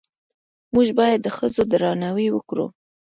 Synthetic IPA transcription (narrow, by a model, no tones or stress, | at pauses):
muʒbɑjad̪ːəxəzod̪ɾɑnawiwəkɾṵ